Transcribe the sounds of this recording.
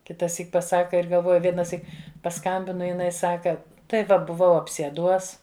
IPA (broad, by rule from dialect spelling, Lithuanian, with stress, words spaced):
kʲɪtɐˈsʲiːk pɐˈsɑːkɐ ɪr ɡɐlˠˈʋoːjʊ ʋʲiɛnɐˈsʲiːk pɐˈskɐmʲbʲɪnɐ jɪˈnɐɪ ˈsɑːkɐ tɐɪ ˈʋɐ bʊˈʋɐʊ ɐpʲsʲiɛˈduɔs